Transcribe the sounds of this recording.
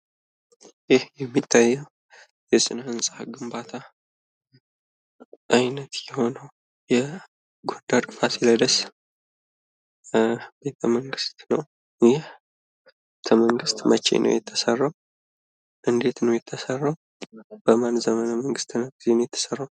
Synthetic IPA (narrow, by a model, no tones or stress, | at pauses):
jɪhjɛmːit̪ʰːajːɛw | jɛsʼɨnhɨnsʼaɡɨmbat̪ʰa | ʔajnət̪jɛho̞nəw | jɛ | ɡo̞d̪atʼɨfasilajd̪əs | be̞t̪ʰəməŋɡɨst̪nəw | jɪh | bet̪ʰəməŋɡɨst̪mət͡ʃːḛnʔə̰wjɛt̪ʰːəsərːaw | ʔɨnd̪e̞t̪nəwjɛt̪ʰːəsərːaw | b̥əmanzəmənəməŋɡɨst̪ʰɨnəɡizenjɛt̪ʰːə̥sərːaw